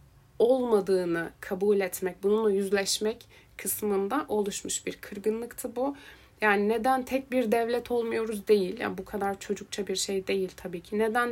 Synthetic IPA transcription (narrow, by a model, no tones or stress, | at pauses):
o̞lˠmad̪ɯːnɯkʰabuːlʲɛt̪mɛc̚bununˠajyzlʲɛʃmɛc | kʰɯsmɯnd̪aʔo̞lˠuʃmuʃbiɾkʰɯɾɡɯnlˠɯkt̪ʰɯbu | jaːnined̪ænt̪ʰɛc̚biɾd̪ɛvlʲɛt̪ʰo̞lˠmujo̞ɾuzd̪e̞jilʲja̰bukʰad̪aɾt͡ʃʰo̞d͡ʒuk̚t͡ʃʰabiɾʃe̞jd̪e̞jilʲt̪ʰabiːcʰined̪æn